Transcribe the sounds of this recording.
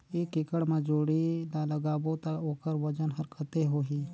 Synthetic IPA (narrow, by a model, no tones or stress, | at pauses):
eːkːɪkəɽmãd͡ʒoːɽinaləɡaːbot̪aoːkəɾʋəd͡ʒənɦəɾkʰət̪eɦoːɦiː